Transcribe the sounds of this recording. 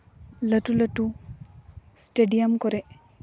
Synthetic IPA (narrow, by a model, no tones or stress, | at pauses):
lɐʈulɐʈu | sʈeɖijɐmkɔɾe